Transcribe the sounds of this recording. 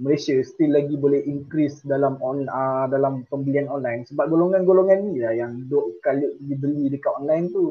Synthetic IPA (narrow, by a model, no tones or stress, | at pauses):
məlasast̪ilːaɡibolɛhiŋkɾisdalamɔnədalampəmbəlianɔnlajnsəbap̚ɡoloŋanɡoloŋanːilajaŋdoʔkaliʔdibəlidəkaɔnlajnt̪u